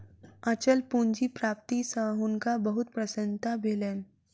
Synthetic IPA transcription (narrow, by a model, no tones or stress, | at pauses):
at͡ɕəlpuɲd͡ʑiːpɾap̚t̪isəɦuŋkabəɦut̪̚pɾəsənt̪ʰabʱelen